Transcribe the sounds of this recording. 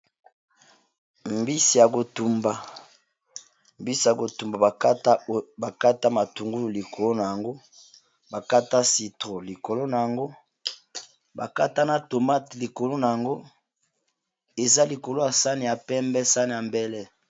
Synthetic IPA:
mbi˦si˨ja˨ko˨tu˨mba˨ | mbi˦si˨ja˨ɡo˨tu˨mba˨a˨˦ba˨ka˦ta˦ma˨tu˨ŋɡu˦lu˨li˨ko˨lo˦na˨ja˨ŋɡo˦ | ba˨ka˦ta˦si˨tʁo˨li˨ko˨lo˦na˨ja˨ŋɡo˦ | ba˨ka˦ta˦na˦to˨ma˦tli˨ko˨lo˦na˨ja˨ŋɡo˦ | e˨za˦li˨ko˨lo˦ja˨sa˦ni˨ja˨pɛ˦mbɛ˦sa˦ni˨ja˨mbɛ˦lɛ˦

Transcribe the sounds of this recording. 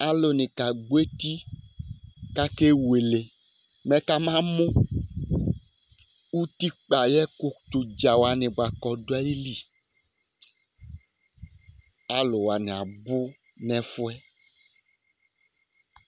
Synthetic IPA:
a˦lo˨nĩ˨ka˨ɡ͡bo˦e˦t̪i˦ | ka˦ke˦we˨le˨ | mɛ̃˦ka˦mã˦mũ˦ | wu˦t̪i˦k͡pa˨jɛ˦ko˦t̪u˨d͡ʒa˨wa˨nĩ˨bo˨a˨kɔ˨do˦a˦ji˦li˦ | a˦lo˨wa˨nɛ̃˨a˨bʊ˦ | nɛ̃˨fo˦ɛ˦

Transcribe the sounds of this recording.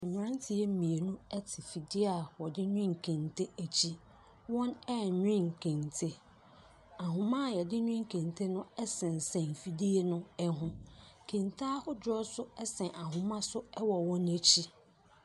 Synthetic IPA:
ɛ˨m˨ã˦ntʰɪ˨ɛ˦m̩˦mĩ˨e˨nũ˦ɛ˦tʰɪ˨fi˨dɪ˦a˨wɔ˨dɪ˦ɲᶣʊ̃˦ŋ̩˨kʰẽ˨ntʰe˦æ˨t͡ɕʰi˦ | wɔ̃˦nɛ˦˨ɲᶣ˦ɪ̃˦˨ŋ˨kʰẽ˨ntʰe˦ | a˨ɦʊ̃˨mã˦˨jɛ˨dɪ˦ɲᶣ˦ʊ̃˦ŋ̩˨kʰẽ˨n˨tʰe˦nʊ̃˦ɛ˦sɛ̃˨n˨sɛ̃˨m˨fi˨di˦e˦nʊ̃˦ɛ˦ɦʊ̃˦kʰẽ˨ntʰa˦hʊ˦d͡ʑᶣɔ˦sʊ˦ɛ˦sɛ̃˨ʔa˨ɦʊ̃˨mã˦sʊ˦ɛ˦wɔ˨wɔ̃˦ne˦t͡ɕʰi˦

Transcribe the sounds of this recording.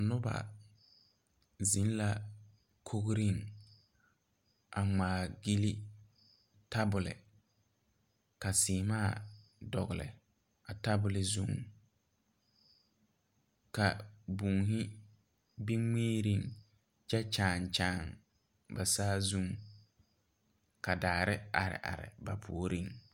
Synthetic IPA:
nʊ˦ba̰˨ | zi˨˦n˦la˦ | kʰo˦ɡɾi˦˨ŋ | ʔa˨ŋ͡maː˨ɡi˦li˦ | ta˦bʊ˨lɪ̰˨ | ka˨siː˨maː˦˨dɔ˨ɣɪ˨lɪ̰˨ | a˨ta˦bʊ˨lɪ˨zu˦ŋ | ka˨bu˨ŋhɪ˦ | bi˦meː˦ɾi˦˨ŋ | t͡ʃɛ˦t͡ʃaː˨ŋt͡ʃaː˨ŋ | ba˨saː˦zu˦ŋ | ka˨daː˨ɾɪ˦a˨ɾɪ̰˨ʔa̰˨ɾɪ̰˨ba˨pʰu˨o˨ɾi˦ŋ

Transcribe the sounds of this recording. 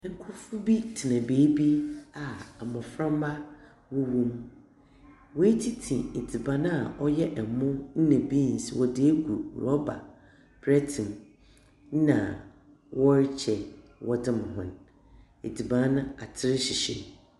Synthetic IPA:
ŋ̩˨kʰʊ˦fʊ˦bi˦tʰɪ˨nã˨beː˨˦bi˦a˨a˨mʊ̃˨fɾã˦m˦ba˦ | wɔ˦wũ˦m | wɔ˦e˦tʰi˦tʰĩ˨e˨di˨bã˦n˦a˨ɔ˦jɛ˦ʔɛ˨mʊ̃˦n̩˦nɛ̃˨bi˦n̩˨si˨wɔ˨de˦e˦ɡu˨ɾɔ˦ba̰˨ | bʰɾɛ˦tʰĩ˨n˦ | nã̰˨ | wɔ˦ɾɪ˦t͡ɕʰɛ˨ | wɔ˦dɪ˦m˨ɦʊ̰̃˨n | e˨di˨bã˨˦nʊ̃˦a˨tʰɪ˦ɾɪ˦ɕi˨ɕɛ̰˨

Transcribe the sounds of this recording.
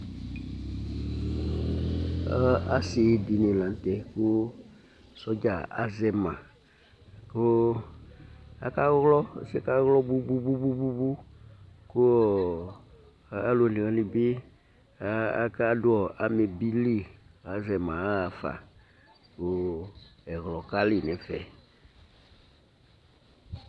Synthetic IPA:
a˦sɪ˨˦di˨nɪ̃˨lã˨n˨t̪ɛ˨kʊ˦ | sɔ˦d͡ʒa˨a̰˨zɛ˨mã̰˨ | kʊ˦ | a̰˨ka˦ɣlɔ˦˨sɛ˦ka˦ɣlɔ˦bu˦bu˦bu˦bu˦bu˦bu˦ | ko˦ɔ˨˦ | a˨˦lo˨lĩ˨ɣɛ̃˨˦li˨be˦ | a̰˨ka˦dʊ˦ɔ˨ʔa˨me˨bi˦li˦ɣa˨˦zɛ˨mã˨˦a˨fa̰˨ | ko˦ | ɛ˨ɣlɔ˨ka˦li˨nɛ̃˨fɛ˨

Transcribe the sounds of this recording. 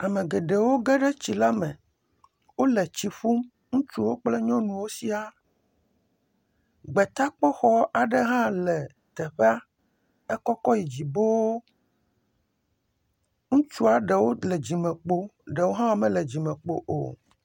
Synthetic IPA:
a˨mẽ˨ɡe˨ɖe˨wo˦ɡe˦ɖɛ˦t͡ɕi˨la˦mɛ̃˨ | wo˦lɛ˨t͡ɕi˨ɸu˦m | ŋũ˦t͡ʃu˦wo˦k͡plɛ˦ɲɔ̃˦nũ˨wo˦si˦a˦ | ɡ͡bɛ˨t̪a˦k͡pɔ˦xɔ˦a˨ɖe˦ɦã˦lɛ˨ | t̪ɛ˨ɸe˦a˦ | ɛ˦kɔ˦kɔ˦ji˨d͡ʑi˨bo˦wo˦ | ŋũ˦t͡ʃu˦a˨ɖe˨wo˦le˨d͡ʑi˨mɛ̃˨k͡po˦ɖe˨wo˦ɦã˦wa˦mɛ̃˦lɛ˨d͡ʑi˨mɛ̃˨k͡po̰˨ʔo̰˨

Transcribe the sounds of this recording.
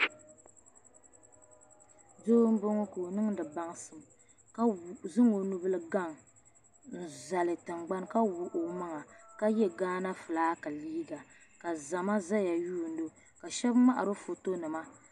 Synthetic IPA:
doː˦m̩˦bo˦ŋo˦ko˨nɨ˦ŋdɨ˨ba˦ŋsɨ˨m | ka˦wzɨ˦ŋo˨nu˦bɨ˦lɨ˦ɡa˦˨ŋ | n̩˨za˨lɨ˨tɨ˨ŋɡ͡ba˦nka˦wu˦ʔo˨ma˦ŋa˨ka˦jɛ˦ɡaː˦na˦fɨ˨laː˦ka˨liː˦ɡa˨ | ka˨za˨ma˦za˦ja˨juː˦˨n˦do˦ | ka˨ʃɛ˦bma˦ʔa˨ɾɨ˦fo˨to˦nɨ˨ma˦

